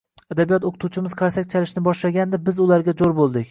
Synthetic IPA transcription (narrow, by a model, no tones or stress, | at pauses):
ad̪abijɒt̪oqʰɨ̥t̪ʰut͡ʃʰɪmɪzqʰaɾsak̚ʲt͡ʃʰalɪʃnɪbɒʃlaɡʲand̪ɪbɪzʊlaɾɡʲad͡ʒ̪oɾbolˠd̪ɪkʲ